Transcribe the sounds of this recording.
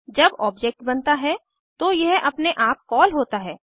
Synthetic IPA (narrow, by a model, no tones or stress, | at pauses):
d͡ʒɐbɔːbd͡ʒɛk̚ʈ̚bɐnt̪aɦɛ | t̪ojɛɦʔɐpneʔaːp̚kɔːlɦoːt̪aɦɛː